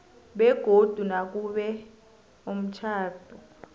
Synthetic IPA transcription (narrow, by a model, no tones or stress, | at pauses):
ɓɛɡ̥ʱod̥ʱunak̬ʼuɓɛ | om̩t͡ʃʰaːb̥ʰʱɔ